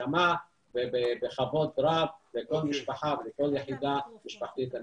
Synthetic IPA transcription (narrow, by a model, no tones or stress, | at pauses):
ama | bebebeχavot̪ɾavbekolmiʃbaħavlekoljaħid̪amiʃpaħt̪it̪a